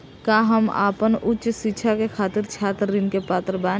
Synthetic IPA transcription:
kaɦəma̰ːpənʊtːʃsɪkːʃʰakekʰaːt̪ɪɾt͡ʃʰaːt̪ɾɪnkepaːt̪ɾəbaː

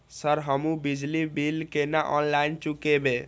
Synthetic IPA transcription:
səɾɦəmũbid͡ʒlibilkenaʔɔnlaint͡ʃukebe

